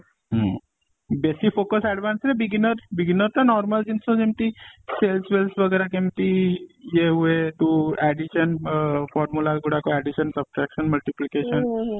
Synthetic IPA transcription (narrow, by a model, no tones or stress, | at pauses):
ɦ | besifokəsɛɖʋaːnsɾebiɡinəɾbiɡinəɾt̪anɔːɾməld͡ʒinsod͡ʒemt̪iselsʋelsʋəɡɛːɾakemt̪ijeɦueʈ̪uɛɖiʃənfɔːɾmulaɡuɽakoɛɖiʃənsəbʈɾɛkʃənmɐlʈiplikeʃən